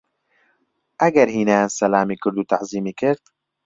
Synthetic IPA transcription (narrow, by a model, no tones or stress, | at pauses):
ʔɐɡɐɾhiːnɛjansɐlaːmiːkʰɨɾd̪uːt̪ʰaʔziːmiːkʰɪɾd̪̥